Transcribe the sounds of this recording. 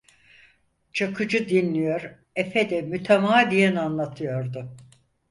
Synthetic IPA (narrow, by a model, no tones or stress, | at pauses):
t͡ʃʰakʰɯd͡ʒɯd̪inlʲijoɾ | efed̪ɛmyt̪ʰemaːd̪ijɛnanlˠat̪ʰɯjo̞ɾd̪ʊ